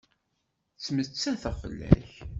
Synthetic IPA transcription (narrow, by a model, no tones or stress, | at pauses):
t͡sːmət͡sːæθæfə̰lːæ̰ç